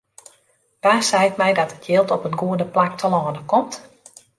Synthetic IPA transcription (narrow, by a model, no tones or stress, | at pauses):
d̥aːsɛjtmɛjdɔtətʰjɪːlˠtɔpənɡuədəplak̚tʰəlɔːnəkɔmt